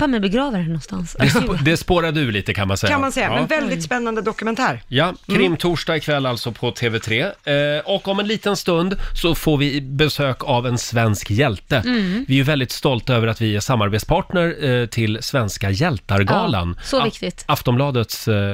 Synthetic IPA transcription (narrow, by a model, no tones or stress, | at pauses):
pʰamɛbɛɡɾɑːvəɾænɔnst̪a̰nsd̪ɛd̪ɛspoːɾad̪əʉ̟ːliːt̪əkʰanmansɛjamansɛjːaɛnvɛld̪ɪt̪spɛnːand̪əd̪ɔkɵmɛnt̪ʰæːɾjakʰɾɪmːt̪ʰuːʂɖɑːɡɪkʰvɛlːalt̪sɔpʰɔt̪ʰeːvɛt̪ʰɾeːɔkːɔmɛnliːt̪ənst̪ɵnd̪sɔfoːɾvɪbɛsøːkavɛnsvɛnskjɛlt̪əvɪɛjʉvɛld̪ɪt̪st̪ɔlt̪aøːvəɾat̪vɪæʂamːaɾbeːt̪spʰɑːʈɳəɾʈʰɪlːsvɛnskajɛlt̪aɾɡɑːla̰nsɔvɪkt̪ɪt̪aft̪ɔmblɑːd̪ət̪s